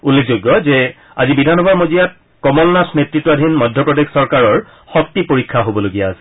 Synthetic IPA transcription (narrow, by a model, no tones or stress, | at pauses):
ulːek̚ʰzoɡːɔzɛ | azibidʱanɔbʱaɹmozijat̚ | kɔmɔlnasnetɹitːɔadʱinmɔdʱjɔpɹɔdeksɔɹkaɹɔɹ | xɔk̚tipoɹikʰːaɦobɔloɡijaːsɛ̥